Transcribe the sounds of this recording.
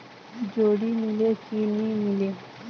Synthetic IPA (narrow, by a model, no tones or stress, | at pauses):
d͡ʒoɽimilekinimile